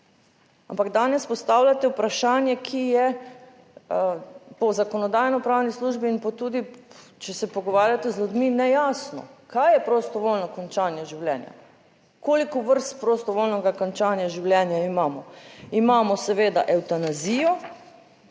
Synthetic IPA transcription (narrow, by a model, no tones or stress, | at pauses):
ampaɡd̪anɛspɔst̪awlʲjat̪ɛupɾaʃaːnjɛkʰijɛ | pɔzakɔnɔd̪aːjnɔpɾaːwnisluʒbiːnpɔt̪uːd̪i | t͡ʃɛsɛpɔɡɔʋaːɾjat̪ɛzlʲud̪minɛjaːsnɔ̰kajɛpɾost̪ɔʋolnɔkɔnt͡ʃaːnjɛʒiwljɛːnja̰ | kolikɔʋəɾst̪pɾost̪ɔʋoːlnɔɡakɔnt͡ʃaːnjaʒiwlʲjɛːnjaimaːmɔimaːmɔsɛʋeːd̪aʔɛwt̪anaziːjɔ